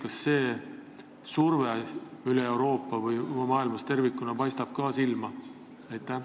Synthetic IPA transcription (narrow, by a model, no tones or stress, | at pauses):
kɑsːe̞ː | surveyleewɾo̞ːpːˑɑvɯjmɑːilmɑst̪e̞rvikːˑunɑpɑjst̪ɑb̥̚kɑːsilmɑ | ɑjt̪ːˑæ